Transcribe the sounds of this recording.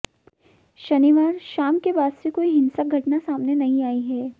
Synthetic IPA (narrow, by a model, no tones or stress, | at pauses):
ʃɐniʋaːɾʃaːmkebaːd̪sekoːiɦɪ̃nsaɡʱɐʈnasaːmnenɐɦĩaːiɦɛː